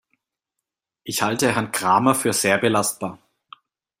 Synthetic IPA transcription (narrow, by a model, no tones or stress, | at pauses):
ʔɪçhaltəhɛɐnɡʁ̥aːmɐfyːɐz̥eːɐbəlast̚b̥aːɐ